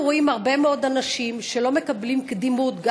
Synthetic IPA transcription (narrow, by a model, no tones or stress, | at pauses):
ʁoimaʁbe̞meo̞d̪anaʃimʃelo̞me̞kablimkd̪imut̪ɡ